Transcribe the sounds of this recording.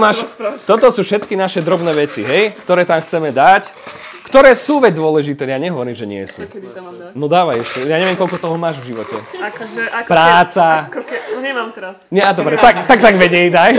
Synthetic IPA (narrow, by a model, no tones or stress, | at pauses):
maːʃt̪ɔt̪ɔsuːfʃɛt̪kinaʃɛd̪ɾɔbnɛːʋɛt͡siɦɛjkt̪ɔɾɛːt̪amxt͡sɛmɛd̪ac | kt̪ɔɾɛːsuːʋɛd͡zd̪ʊɔlɛʒit̪ɛːjaɲɛɦɔʋɔɾiːmʒɛɲɪɛ̰sṵː | nɔd̪aːʋajɛʃtɛjaːɲɛʋɪɛmkɔlkɔt̪ɔɦɔmaːʒvʒiʋɔcɛ | pɾaːt͡sa | ɲamt̪sɲɛad̪ɔbɾɛt̪akt̪akt̪aɡʋɛɲɛjd̪aj